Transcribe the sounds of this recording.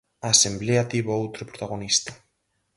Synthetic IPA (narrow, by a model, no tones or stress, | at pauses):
aːsembleat̪iβoowt̪ɾʊpɾot̪aɣ̞onist̪ḁ